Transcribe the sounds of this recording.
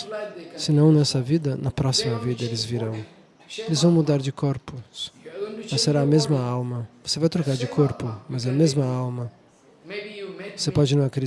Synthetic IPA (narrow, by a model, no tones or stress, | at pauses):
sɪnɐ̃w̃nɛsɐvid̪ɐnɐpɾɔsimɐvid̪ɐelɪzviɾɐ̃w̃ | elɪzvɐ̃w̃mud̪aɾd͡ʒɪkoɾpʊsmɐseɾaɐmezmɐawmɐvosevajt̪ɾokaɾd͡ʒɪkʰoɾpʊmɐzɐmezmɐawmɐ | vosepɔd͡ʒɪnɐ̃w̃ɐkɾi